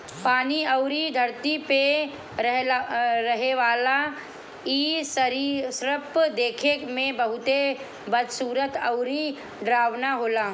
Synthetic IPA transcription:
paːniɐʊɾid̪ʱəɾt̪ipe | ɦɾɐɦeʋaːla | iːsɾisɾəpd̪eːkʰekmẽbɐɦʊt̪e | bɐd̪suːɾət̪ɐʊɾi | ɖɾaːʋnaɦoːlaː

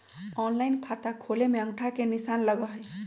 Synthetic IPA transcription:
ɔnlaɪnkʰat̪akʰolemeə̃ŋʈʰakenisanləɡəɦəj

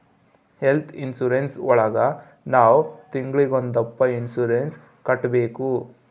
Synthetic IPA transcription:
helt̪ʰinsuːɾensɔɭɐɡɐ | naːwt̪iŋɡɭiɡond̪ɐpːɐinsuːɾens | kɐʈːbeːku

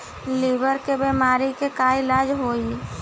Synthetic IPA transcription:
libəɾkebemaːɾikekaːilaːd͡ʒɦoːi

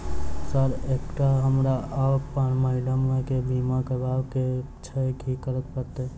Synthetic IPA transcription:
səɾekʈaɦəmɾaəbpanməɦɪləmẽkebʱimakebaːbke | t͡ʃʰəkikəɾət̪̚pəɾt̪e

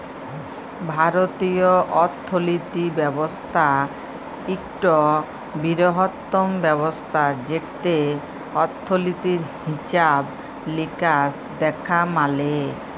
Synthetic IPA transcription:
bʱaɾot̪ioʔɔt̪ʰːolit̪ibɛbost̪ʰa | ikʈo | biɾoɦot̪ːombɛbost̪ʰad͡ʑeʈʰt̪e | ɔt̪ʰːolit̪iɾɦɦit͡ɕab | likas | d̪ɛkʰamale

